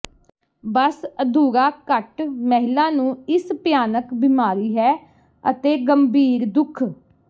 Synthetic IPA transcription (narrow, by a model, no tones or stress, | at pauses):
bəsəd̪uːɾaːkəʈmɛɦɪlaːnũːɪspjaːnəkbɪmaːɾiːɦɛː | ət̪eːɡəmbiːɾd̪ʊkʰ